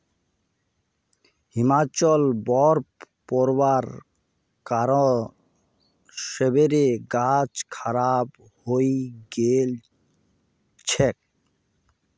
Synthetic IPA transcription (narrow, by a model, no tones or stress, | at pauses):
himat͡ɕɔlbɔɾ | pɔɾbaɾ | kaɾo | ʃebeɾeɡat͡ɕkʰaɾab | hojɡel | t͡ɕʰek̚